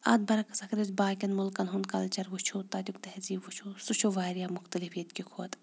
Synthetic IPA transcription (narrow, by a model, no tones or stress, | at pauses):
ɐ̰d̪̚bɐɾɐkɐ̥sɐkɾizbaːkʲɐnmulkɐnɦunkɐlt͡ʃɐɾʋut͡ʃʰoːt̪ɐt̪ʲukt̪ɐɦziːʋut͡ʃʰosut͡ʃʰoʋaːɾijaːmʊxt̪ɐlifjɐt̪̚kʲikʰoːɐt̪